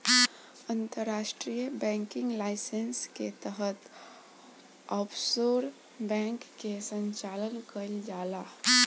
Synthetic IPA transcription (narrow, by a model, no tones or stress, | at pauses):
ənt̪əɾːaːʃʈɾijəbɛ̃ŋkɪ̃ŋɡlaɪsensket̪əɦət̪ | əpʰsoɾ | bɛ̃ŋkːesə̃ɲt͡ʃaːlənkəld͡ʒaːla